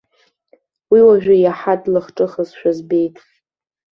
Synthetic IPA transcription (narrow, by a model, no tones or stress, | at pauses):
wiwaʒᶣajaħadʼlɨχʈ͡ʂʼɨχəzʃᶣazbe̞jtʼ